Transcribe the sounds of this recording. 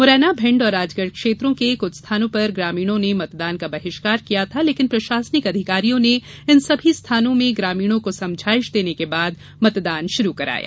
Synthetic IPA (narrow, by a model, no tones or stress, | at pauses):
mʊɾɛːnabʱɪ̃ɳɖɔːɾaːd͡ʒɡəɽkʃeːt̪ɾõkekʊt͡ʃʰst̪ʰaːnõpɐɾɡɾaːmiːɽ̃õnemɐt̪d̪aːnkabɐɦɪʃkaːɾkijat̪ʰaleːkɪnpɾɐʃaːsnɪkɐd̪ʱɪkaːɾijõne | ɪnsɐbʱist̪ʰaːnõmẽɡɾaːmiːɽ̃õkosɐ̃md͡ʒʱaːɪʃd̪eːnekebaːd̪ | mɐt̪d̪aːnʃʊɾukɐɾa̰ːja̰ː